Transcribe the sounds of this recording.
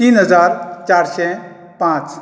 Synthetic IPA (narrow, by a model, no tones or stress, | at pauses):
t̪iːnɦəzaːɾt͡ʃaːɾsɛ̃ | pãːt͡ʃ